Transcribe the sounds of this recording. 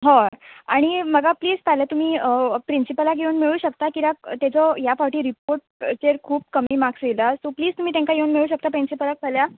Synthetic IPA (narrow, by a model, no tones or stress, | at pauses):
ɦɔaɽ̃iməɡapliːd͡zt̪ʰaljat̪um̤iːəpɾinsipəlakjeunmiɭuːɕəkt̪akit̪at̪jat͡sɔjafaʋʈiːɾipoɾʈ̚t͡ɕeɾkʰuːp̚kəmiːmaksilasopliːd͡zt̪umiːt̪ẽŋkajeunmiɭuːɕək̚t̪apɾinsipəlak̚tʰalja